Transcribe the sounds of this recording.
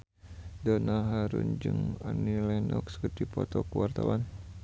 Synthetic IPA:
dɔnaɦaɾund͡ʒɨŋanilɛnɔkskət̪ipɔt̪ɔkuwart̪awan

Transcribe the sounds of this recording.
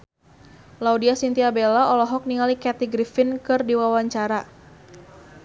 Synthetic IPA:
laudiasint̪iabelaɔlɔɦɔk̚niŋalikɛt̪iɡɾifɪnkɨrdiwawaɲt͡ʃaɾa

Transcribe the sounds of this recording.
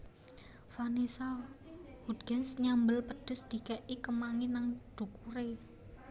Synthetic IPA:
fanisa | hud̪̚ɡɛnsɲambəlpəɖ̥ʊ̤sd̪̥i̤kɛʔikəmaŋinaŋd̪̥ṳkuɾe

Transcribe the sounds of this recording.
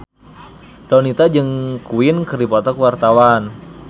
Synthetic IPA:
d̥ɔnit̪ad͡ʒɨŋkuɪnkɨrdipɔt̪ɔkwart̪awan

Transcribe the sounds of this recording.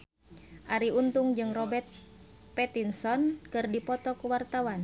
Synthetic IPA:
ʔaɾiunt̪uŋd͡ʒɨŋrɔbɛrt̪̚ | pɛt̪insɔnkɨrdipɔt̪ɔkuwart̪awan

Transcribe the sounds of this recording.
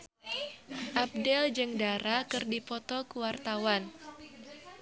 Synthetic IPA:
ʔab̚dɛld͡ʒɨŋdaɾakɨrdipɔt̪ɔkuwart̪awan

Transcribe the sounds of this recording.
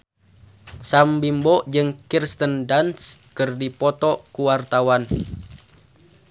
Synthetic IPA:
sambimbɔʔd͡ʒɨŋkirst̪əndanskɨrdipɔt̪ɔkuwart̪awan

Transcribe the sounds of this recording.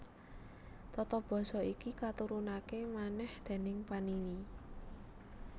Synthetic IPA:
t̪ɔt̪ɔb̥ɔ̤sɔikikat̪uɾunakemanɛhd̪̥e̤nɪŋpanini

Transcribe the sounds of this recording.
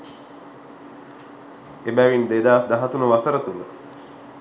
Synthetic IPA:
ebæʋind̪ed̪aːsd̪aɦat̪unəʋasəɾət̪unə

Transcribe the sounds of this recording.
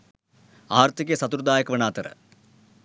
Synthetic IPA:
aːɾt̪ʰikjɐsɐt̪uɾud̪aːjɐkɐʋɐnaːt̪ɐɾə̰

